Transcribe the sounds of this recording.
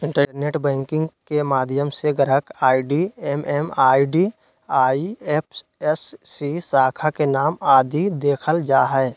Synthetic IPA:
ɪ̃ɳʈəneːʈbɛ̃ːŋkɪ̃ŋɡkemaːd̪ʱjəmseɡəɾəkaːiɖiɛmɛːmaːiɖi | aːiep̚ʰɛsːisaːkʰakenaːmaːd̪ʱid̪eːkʰəld͡ʒaːɦɛː

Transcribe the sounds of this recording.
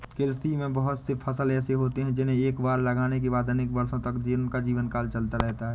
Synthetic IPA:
kelst̪imẽbɐɦʊt̪sepʰɐsəlɛːseɦoːt̪eɦɛ̃d͡ʒɪnɦẽeːkbaːɾlɐɡaːnek̬ebaːd̪ɐneːkbɐɾsõt̪ɐkd͡ʒiːɾnkad͡ʒiːʋənkaːlt͡ʃɐlt̪aɾɛɦt̪aɦɛː

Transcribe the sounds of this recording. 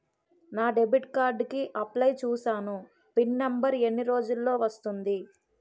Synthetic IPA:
naːɖe̞biʈkaːɾɖkiʔɐplɐjt͡ʃuːsaːnu | pinːɐmbɐɾe̞nːiɾo̞ːd͡ʒulːo̞ːʋɐst̪und̪i

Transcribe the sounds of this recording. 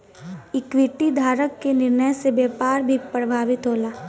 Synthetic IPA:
ɪkʋiʈid̪ʱaːɾəkːenɪɾnəjsebjaːpaːɾbʱipɾəbʱaːʋɪt̪ɦoːlaː

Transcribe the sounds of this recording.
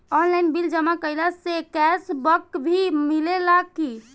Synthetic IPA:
ɔnlainbild͡ʒəmakəɦilasekɛsbəkbʱimilelaɡkːi

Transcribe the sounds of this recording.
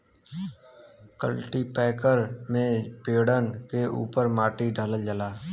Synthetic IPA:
kə̰lʈipɛːkəɾmẽpeːɽənkeʔṵːpəɾmaːʈiɖʱələld͡ʒəlaː

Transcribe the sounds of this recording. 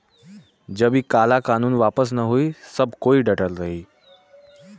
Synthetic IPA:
d͡ʒəbikaːlakaːnuːnʋaːpəs̬nəɦuisəbʱkoːiɖəʈəlɾəɦiː

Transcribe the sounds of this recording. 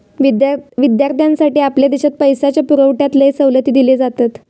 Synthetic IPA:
ʋiʋid̪jaɾt̪ʰjãnsaʈiːapljad̪eɕat̪̚pəjsat͡ɕjapuɾəʋʈjat̪ləesəʋlət̪iːd̪iled͡zat̪at̪

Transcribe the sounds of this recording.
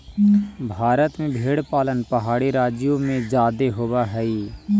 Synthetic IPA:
bʱaːɾət̪mẽbʱeːɽpaːlənpɐɦaːɽiɾaːd͡ʒjõmẽd͡ʒaːd̪eɦoːbaɦɛi

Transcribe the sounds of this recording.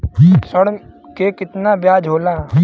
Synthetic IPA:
səɽkekɪt̪nabjaːd͡ʒɦoːlaː

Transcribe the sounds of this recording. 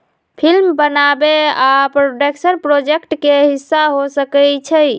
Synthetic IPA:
pʰilmbənabeapɾoɖəksənpɾod͡ʒekʈkeɦisːaɦosəkɛt͡ʃʰəj

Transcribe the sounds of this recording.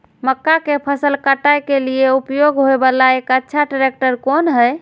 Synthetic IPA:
məkːakepʰəsəlkəʈːajkelijeupjoɡɦoebəlaekətːʃʰaɖəɾek̚ʈəɾkonɦəj

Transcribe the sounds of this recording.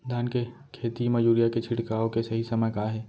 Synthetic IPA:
d̪ʱaːnke | kʰeːt̪imɐd͡ʒuːɾijaket͡ʃʰɪɽkaːõkesɐɦisɐməkaɦɛː

